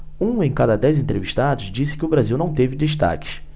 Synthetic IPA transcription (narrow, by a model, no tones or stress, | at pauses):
ũẽj̃kad̪ɐd̪ɛjzẽnt̪ɾeviʃt̪ad̪ʊzd͡ʒisɪ̥kɪʊbɾaziwnɐ̃w̃t̪evɪd̪eʃt̪a̰kɪ̥s